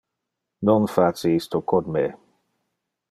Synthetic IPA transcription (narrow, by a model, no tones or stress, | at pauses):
nonfasiist̪okod̪me